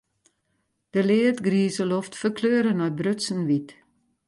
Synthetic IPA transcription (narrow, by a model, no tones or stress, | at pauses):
d̥əlɪːətɡriːzəlɔftfərkʰløːɾənɔjbrøtsən̩ʋit